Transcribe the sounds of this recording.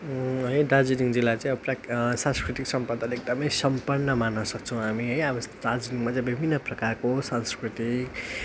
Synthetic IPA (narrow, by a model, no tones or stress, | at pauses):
ɦʌjɖad͡ziniŋd͡zilat͡sãĩʌbʌpraksãnskɾit̪iksʌmpʌd̪ʱalek̚d̪ʌmʌjsʌmpʌrnːʌmanːʌsʌkt͡sʰʌw̃ɦamiɦʌjʌbʌɖad͡ziniŋmat͡sãĩbibʱinːʌprʌkarkosanskrit̪ik